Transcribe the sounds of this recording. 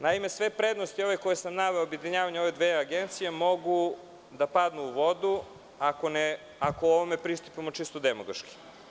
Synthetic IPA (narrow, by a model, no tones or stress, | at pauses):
naimesʋepɾed̪nost̪io̞ʋekojesamnaʋeoobjed̪iɲaːʋaɲo̞ʋed̪ʋeaɡent̪sijemoɡu | d̪apad̪nuːʋo̞d̪u | akone | akooʋomepɾist̪upimot͡ʃist̪od̪emoɡaʃki̥